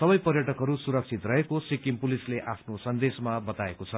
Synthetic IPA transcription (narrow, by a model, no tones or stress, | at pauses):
sʌbʌjpʌrjʌʈʌkɦʌɾusuɾʌk̚t͡sʰit̪rʌɦekosikimpulisleʔapʰnosʌnd̪esmabʌt̪aekot͡sʰʌ